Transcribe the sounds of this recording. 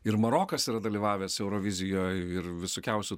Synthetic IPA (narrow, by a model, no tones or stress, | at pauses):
ɪɾmɐɾoːkɐsiːɾɐd̪ɐlʲiːʋɑːʋʲɛsɛʊɾoːʋʲɪzʲɪjoːjɪɾʋʲɪsoːkʲɛʊsʲʊ